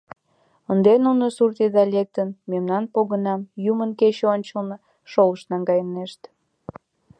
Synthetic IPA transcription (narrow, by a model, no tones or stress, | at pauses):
ənd̪enunosurt̪id̪ɑlʲek̚t̪ənmemnɑnpoɣənɑmjumənket͡ɕeonʲt͡ɕəlˠnə | ʃoləʃnɑŋɡɑjəneʃt̪